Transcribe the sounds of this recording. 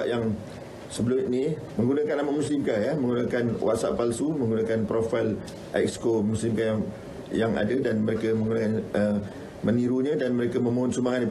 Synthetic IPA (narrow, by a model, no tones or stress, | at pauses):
ʔjaŋ | səbəlunimə̃ŋɡunakanamaʔmusɪmkajamə̃ŋɡunakanwʔa̰ʔsa̰ʔpalsumə̃ŋɡunakanpɾofajl | ʔa̰kskomusimkajaŋ | jaŋa̰dadanməɾekaməŋɡunakanə | məniɾuɲãdanməɾekamə̃mõɦʊnsumaŋani